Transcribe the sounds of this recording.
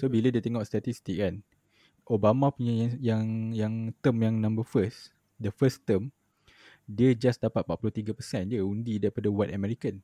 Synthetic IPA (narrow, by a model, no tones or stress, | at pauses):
sobilədiət̪ɛŋɔʔst̪at̪ist̪ikɛn | obamãpuɲajajaŋjaŋt̪əmjaŋnãmbəfəs | dəfəst̪əm | diəd͡ʒasdapat̪̚paʔ̚puluht̪iɡapəsɛ̃ndiəundidaɾipadawɛtamɛɾikən